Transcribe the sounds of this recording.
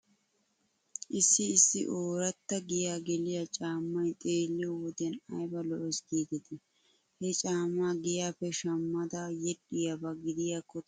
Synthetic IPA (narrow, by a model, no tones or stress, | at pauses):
ʔɪsːɪːsːɪ̰ʔoːɾɐt̪ːɐɡɪjaːɡɛlɪjɐt͡ʃʼaːmːɐjt̪ʼeːlːɪjɔwɔd̪ɛnɐjbɐlɔʔɔsɡiːɡ̪ɛt̪ɛ | hɛt͡ʃʼaːmːaːɡɪjaːfɛʃɐmːɐd̪ɐjɛɗɪjabɐɡɪd̪ɪjakːɔt̪